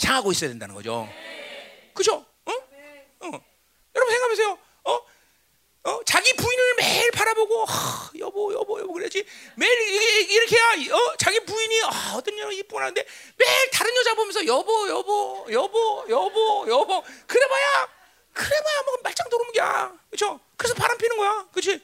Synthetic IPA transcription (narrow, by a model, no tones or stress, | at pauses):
t͡ɕaŋɦaɡois͈ʌjadendanɯnɡʌ̰d͡ʑo̰ | kɯt͡ɕʰo | ʌ | ʌ | jʌɾʌbunsheŋkamjʌsʰejo | ʌ | ʌt͡ɕaɡipuinɯɭmeɭpaɾaboɡoajʌbʌjʌ̰bʌjʌbokɯɾed͡ʑimeɾiɡeiɾʌkʰejaʌt͡ɕaɡipuiɲiʌʌt͈ʌnjʌɾɯip͈unɾɦanɯnde̞ | me̞ɭtaɾɯnjʌd͡ʑaŋbomjʌnsʰʌjʌbʌjʌbʌjʌbojʌbojʌbʌkɯɾe̞maja | kɯɾe̞majamaɡmaɭt͡ɕ͈aŋtoɾomɯɡia̰kɯt͡ɕʰokɯɾesʰʌpaɾanpʰinɯnɡʌjakɯt͡ɕʰi